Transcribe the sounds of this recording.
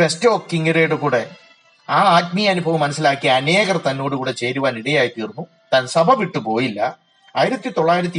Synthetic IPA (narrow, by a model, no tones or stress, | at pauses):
esto̞ːkːiŋɡɐreːɽɨkuːɽe̞ | aːaːtmɐjɐɐnubʱɐʋumːɐnɐsːilaːkːiɐne̞ːɣɐrt̪ɐnːo̞ːɽukuːɽe̞t͡ɕe̞jɾuʋaːniɽɐjaːjt̪iːrnːu | t̪aːnsɐbʱɐʋiʈːɨpo̞ːjilːɐ | aːjiɾɐt̪ːit̪o̞ɭːaːjiɾɐt̪̬ːi